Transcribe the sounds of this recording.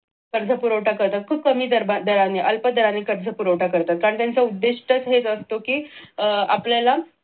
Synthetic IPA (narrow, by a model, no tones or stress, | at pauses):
kəɾd͡zʱəpuɾəwʈakəɾt̪at̪̚kʰuːb̚kəmiːd̪əɾbad̪əɾaneʔəlpəd̪ʱəɾanekəɾd͡zʱəpuɾəwʈakəɾt̪at̪̚kaɾəɳt̪jant͡saud̪ːeʂʈət͡sɦet͡səst̪okiː | a̰pljala